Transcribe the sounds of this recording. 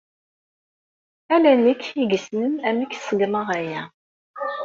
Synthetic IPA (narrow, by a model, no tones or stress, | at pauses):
ælænːəkʰːiɡəsnəmæmikːsˤəɡməʁæjæ